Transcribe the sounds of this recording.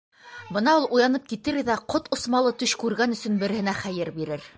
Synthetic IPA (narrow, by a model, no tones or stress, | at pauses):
bɤ̆nɑulˠujɑnɤp̚kit̪ɘɾðæqot̪ŏsmɑlˠɤt̪ɵʃkʉɾɡænɵ̆sɵ̆nbɘ̆ɾɘ̆hɘ̆næχæjɘɾbiɾɘɾ